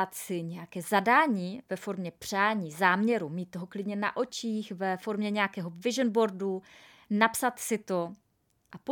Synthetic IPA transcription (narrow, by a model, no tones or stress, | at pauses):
at̪sɪɲɛjakɛːzadaːɲiːvɛfo̞ɾmɲɛpr̝̥aːɲiːzaːmɲɛɾumiːt̪̚t̪ːoɦoklɪdɲɛna̰ʔo̞t͡ʃiːxvɛfo̞ɾmɲɛɲɛakɛːɦo̞vɪʒənbo̞ɾdu | napsat̪sɪt̪o̞ | ʔap